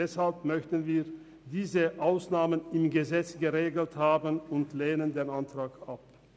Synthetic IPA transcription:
ɛshalpmœçtn̩viːɐ | diːzəʔaʊsnaːmənɪmɡəzɛt͡sɡ̥əʁeːɡl̩thaːbənʊntleːnəndeːnantʁ̥aːkap̚

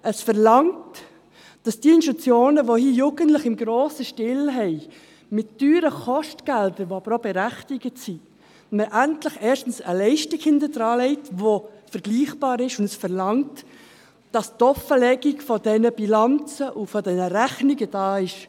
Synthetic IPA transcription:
ʔəsfəɾlɑŋt | d̥ɑsd̥iəɪnʃut͡sjoːnəʋohiːəjuɡ̥əntləχɪmɡɾoːsəʃtɪlɦɛɪ | mɪt̚d̥yːɾəχɔʃtɡ̥ældəɾʋoɑb̥əɾobɛɾæχtɪɡ̥ətsi | məʔæntlɪχɛːʃtn̩səlɛɪʃtɪkhɪndəd̥ɾɑːlɛɪtʋofəɾɡ̥liːχb̥ɑːɾɪʃʊndəsfəɾlɑŋt | d̥ɑsdɔfəlɛɡiɡfɔd̥ɛnəb̥ilɑnt͡səʔʊfɔdɛnəɾæχniɡəd̥ɑːɪʃ

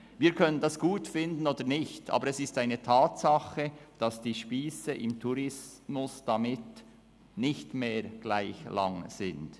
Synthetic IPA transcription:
viːɾkʰœnəndɑsɡ̥uːtfɪndən̩oːdəɾnɪçtʔɑ̰ːbəɾɛsɪstaɪnətʰɑːtsɑχəd̥ɑsd̥iːʃpiːsəʔɪmtʰuɾɪsmʊsd̥ɑmɪt | nɪçtmeːɹɡ̥laɪçlɑ̰ŋz̥ɪnd̥

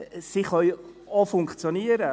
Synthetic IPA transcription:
siχœʏ | ɔfʊŋkt͡sjoniəɾə

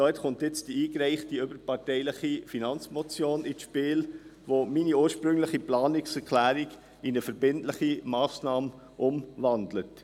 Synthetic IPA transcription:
dɔːɛtχʊntɪt͡sd̥iiːkɾæɪχtiʏbəɾpɑɾtɛɪlɪχifinɑnt͡smot͡sjoːnɪʃpɪːlvominiuːɾʃpɾʏŋlɪχiplɑːnɪksɛɾkʰlæːɾiɡ | inəfɛɾbɪntlɪχimɑːsnɑːm | ʔʊmvɑndlət

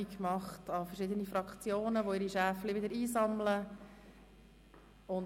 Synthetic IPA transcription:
ikmɑχtɑfərʃɪd̪ənifɾɑkχt͡sjoːnəʋoɪɾiʃæːfliʋɪd̪əɾiːzɑmlə | ʊn

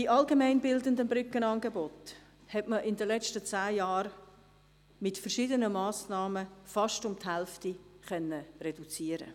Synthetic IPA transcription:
diʔɑlɡemæɪnbɪldəndənbɾʏkːənɑːnɡebɔt | hɛtməʔɪndəlɛstət͡saːjɑːɾ | mɪtfərʃɪdənəmɑːsnɑːməfɑʃtʊmthɛlftiχœnːərɛdut͡siːəɾə̰

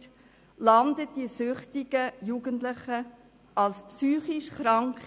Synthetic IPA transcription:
lɑndət̚d̥isʏχtɪɡ̥əjuɡəntləχə | ɑlspsyːχiʃχɾɑŋkχ

